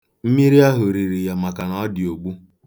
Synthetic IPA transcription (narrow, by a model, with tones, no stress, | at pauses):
m̩˦mi˦ɾi˦a˦ɦʊ˨ɾi˨ɾi˨ja˨ma˨ka˨nɔ˨˦dɪ˨o˨ɡ͡bu˦